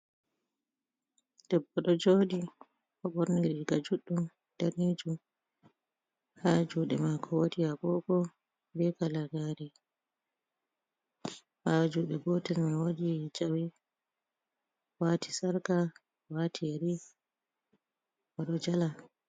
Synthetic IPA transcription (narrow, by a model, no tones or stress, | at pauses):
d̥ɛbɔɗɔd͡ʒoːɗi | kɔɓɔɾniɾiɡad͡ʒuɗːum | d̥aɾid͡ʒum | had͡ʒuɗɛmakʰɔwodijabɔɡɔ | bɛkalaɡaːɾɛ | had͡ʒuːɗɛbɔtɛnmawoɗid͡ʒawi | waːti̥saɾka | watʰiɾi | waɗɔd͡ʒala